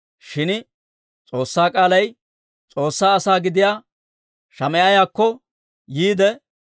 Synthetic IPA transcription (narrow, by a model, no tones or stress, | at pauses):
ʃɪn | t͡sʼo̞ːsːaːkʼaːlɐj | t͡sʼo̞ːsːaːɐsaːɡɪd̪ɪjaː | ʃɐmɛʔɐjaːkːɔ | jiːd̪ɛ